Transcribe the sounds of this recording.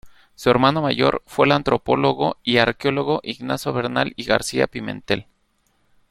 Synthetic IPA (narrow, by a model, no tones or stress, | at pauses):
sue̞ɾmano̞maʝo̞̰ɾfwe̞lant̪ɾo̞po̞lo̞ɣo̞iaɾkeo̞loɣo̞ʔiɣnasjoβe̞ɾnaliɣaɾsia̰pimẽ̞̰nt̪e̞l